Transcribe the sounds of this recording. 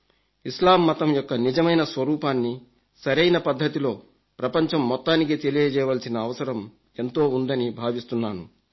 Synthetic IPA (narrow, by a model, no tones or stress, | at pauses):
islaːmːɐt̪ɐmjɔkːɐnid͡ʒɐmɐjnɐsʋɐɾuːpaːnːi | sɐɾɐjnɐpɐd̪ʱːɐt̪ilo̞ː | pɾɐpɐɲt͡ʃɐmːɔt̪ːaːnik̬it̪elijɐd͡ʒɛːjɐʋɐːlsinɐːʋɐsɐɾɐm | e̞nt̪o̞ːund̪ɐnibʱaːʋist̪unːaːnu